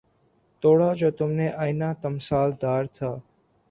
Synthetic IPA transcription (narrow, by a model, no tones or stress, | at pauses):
t̪oːɽaːd͡ʒoːt̪ʊmnẽːʔaːinaːt̪əmsaːld̪aːɾt̪ʰaː